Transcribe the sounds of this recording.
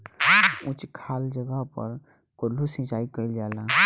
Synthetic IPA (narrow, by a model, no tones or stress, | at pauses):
ʊ̃t͡ʃkʰaːld͡ʒəɡəɦpə̰ɾ | kolusĩt͡ʃaːikəɾild͡ʒaːlaː